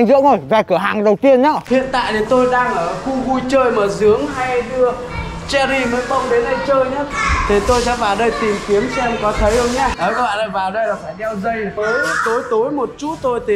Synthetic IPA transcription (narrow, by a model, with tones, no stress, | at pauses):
jŋzɨ̰˧˥wŋzo˧˩jvaː˨˩jkɨ˧˩ɦaː˨˩ŋɗə˨˩wt̪i˧ənɲaː˨˦˩hḭ˧˨ənt̪a̰ː˧˨jt̪ʰi˨˩t̪o˧jɗaː˧ŋʔəː˧˩xu˧ɣu˧jt͡ɕəː˧jmaː˨˩zɨ˨˦əŋɦa˧jɗɨ˧ə | t͡ɕɛ˧zi˧məː˨˦jfə˧wŋ͡mɗe˨˦nɗə˧jt͡ɕəː˧jɲə˦˥t̪ʰi˨˩t̪o˧jsa̰˧˥vaː˨˩wɗə˧jt̪i˨˩mki˨˦əmsɛ˧mkɔ˨˦t̪ʰə˨˦jhə˧wŋ͡mɲaː˨˦ʔəː˨˩kə˧˦a̰ː˧˨lə˧˩vaː˨˩wɗə˧jlaː˨˩faː˧˩jɲɛ˧wzə˧jəː˨˦jt̪o˨˦jt̪o˨˦jmo˨˩t̚t͡ɕu˦˥t̚t̪o˧jt̪ʰi˨˩